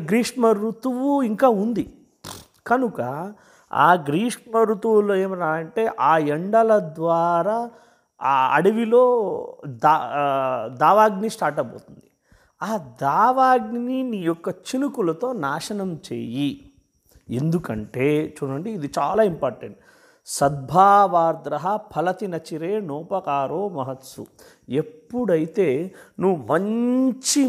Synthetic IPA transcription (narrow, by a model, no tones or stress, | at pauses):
ɡɾiːʂmɐɾut̪uʋuiŋkaːund̪i | kɐnukɐ | a̰ːɡɾiːʂmɐɾut̪uʋuloːeːmɾaːɐɳʈe̞ːʔaːeɳɖɐlɐd̪ʋaːɾaː | ɐ̰ɽiʋilo̞ːd̪a | d̪aːʋaːɡnisʈaːɾʈɐbo̰ːt̪und̪i | aːd̪aːʋaːɡniniːjɔkːɐt͡ʃinukulɐt̪o̞ːnaːʂɐnɐmt͡ʃḛːji | end̪ukɐɳʈe̞ːt͡ʃuːɽɐɳɖiːd̪it͡ʃaːlaːimpaːɾʈeɳʈ | sɐd̪̚bʱaːʋaːɾd̪ɾɐɦɐpʰɐlɐt̪inɐt͡ʃiɾeːnɔːpɐkaːɾoːmɐɦɐt̪sṵ | epːuɽɐjit̪e̞ːnuʋːumɐɲt͡ʃi